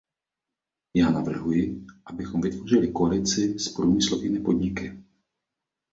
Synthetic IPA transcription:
jaːnavr̩ɦujɪʔabɪxɔmvɪt̪vorɪlɪkoalɪt͡sɪspɾuːmɪslovɪnɛːpod̪ɲɪkɪ

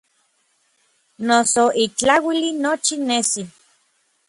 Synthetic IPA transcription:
nosoʔit͡ɬawilinot͡ʃinesi

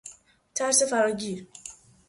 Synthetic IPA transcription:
t̪ʰæɾsefæɾɒːɟiːɾ

